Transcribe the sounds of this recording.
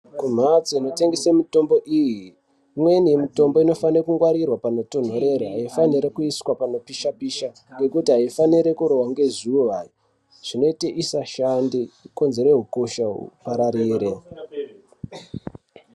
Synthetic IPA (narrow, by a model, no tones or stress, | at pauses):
kum̤at͡siino̞te̞ŋɡesemito̞mbo̞ʔiːji | mwenijemito̞mbo̞ino̞fanrekuŋɡwaɾirwapano̞to̞n̤o̞ɾe̞ɾoɦaifaniɾekuiswapanopiʃapiʃa | ŋɡe̞kutiɦaifaniɾe̞kuɾo̞ɦwaŋɡe̞ziuʋaji | ʐ̥ino̞iteʔisaʃandiko̞nzeɾeɦukoʃaɦṵpaɾaɾiːɾe̞